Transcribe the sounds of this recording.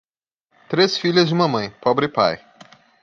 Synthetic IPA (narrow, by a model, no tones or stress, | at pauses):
t̪ɾesfiʎɐzd͡ʒɪũmɐmɐ̃j̃pɔbɾɪpa̰j